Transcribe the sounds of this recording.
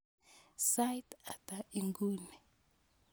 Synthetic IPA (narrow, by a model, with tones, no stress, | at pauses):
sa˦jta˨t̪a˨i˨ŋɡu˦nɛ˨